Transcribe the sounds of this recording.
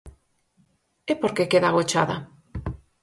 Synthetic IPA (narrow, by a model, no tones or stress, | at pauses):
epoɾkekeðaɣot͡ʃa̰ða